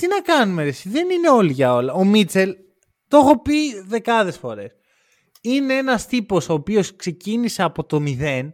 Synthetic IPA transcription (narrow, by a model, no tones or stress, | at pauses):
t̪inɐkɐnumeesiðe̞nine̞o̞liʝɐo̞lɐomit͡se̞l | t̪o̞xo̞piðe̞kɐðe̞sfo̞̰ɾe̞s | ine̞e̞nɐst̪ipo̞so̞ːpio̞skse̞cinise̞ɐpo̞t̪o̞miðe̞n